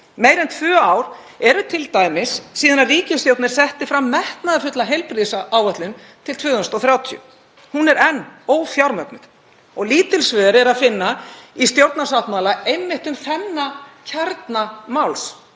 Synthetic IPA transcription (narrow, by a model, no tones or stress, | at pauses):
meːjɾɛnt̪ʰvœːaːwɾ̥ | ɛɾʏt̪ʰɪlt̪aːjmɪsːiːðanaðriːcɪsjowt̪nɪɾ̥sɛht̪ɪfɾamːɛht̪naðɪfʏt̪laɦejlpɾiðsaʔaːwœt̪lʏn | t̪ʰɪlt̪ʰvʏːðʏst̪ɔθɾjaːwt̪ʰijʏ̰ | hunɛɾɛnːoːwθjawɾmœpnʏð | ɔɣliːt̪ɪlsvœːðɾɛɾaðfɪnːaist̪jowɾt̪nasawht̪malaejmːɪht̪ʏmθɛnːacʰaɾt̪namawls